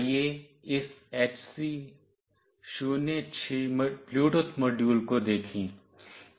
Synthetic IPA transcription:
je | ɪseːt͡ʃsiː | ʃuːnet͡ʃʰempluːʈosmoːɖjuːlkod̪eːkʰĩː

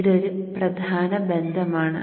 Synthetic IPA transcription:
iɽo̞ɾuprɐd̪ʱaːnɐbend̪ʱɐmaːɳɨ̰

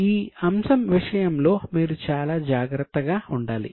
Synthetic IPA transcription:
iːɐmsɐmʋiʂɐjɐmlo̞ːmiːɾut͡ʃaːlaːd͡ʒaːɡɾɐt̪ːɐɡaːuɳɖaːlḭ

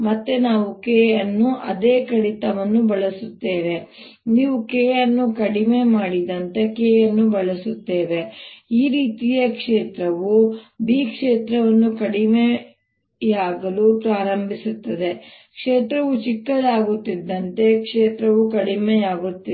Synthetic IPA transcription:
mɐt̪ːenaːʋukeːjɐnːuʔɐd̪eːkɐɽit̪ɐʋɐnːubɐɭɐsut̪ːe̞ːʋe̞ | niːʋukeːjɐnːukɐɽimeːmaːɽid̪ɐnt̪e̞keːjɐnːubɐɭɐsut̪ːe̞ːʋeiːɾiːt̪ijekʂeːt̪ɾɐʋubiːkʂeːt̪ɾɐʋɐnːukɐɽime | jaːɡɐlupɾaːɾɐmbʱisut̪ːɐd̪e̞ | kʂeːt̪ɾɐʋut͡ʃikːɐd̪aːɡut̪ːid̪ːɐnt̪e̞kʂeːt̪ɾɐʋukɐɽimejaːɡut̪ːi

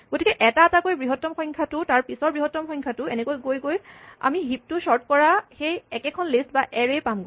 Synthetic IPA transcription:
ɡ̥otikɛʔɛtaatakojbɹiɦɔtːɔmxɔ̃jŋkʰatʊtaɹpisɔɹbɹiɦɔtːɔmxɔjŋkʰatʊenɛkojɡojɡoja̰miɦip̚tʊʃɔɹt̚kɔɹaxejɛkɛkʰɔnlistbaʔɛɹejpamɡo

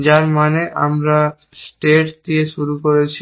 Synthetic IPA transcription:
d͡ʑaɾmaneʔa̰mɾa | sʈeʈd̪ieʃuɾukoɾet͡ɕʰi

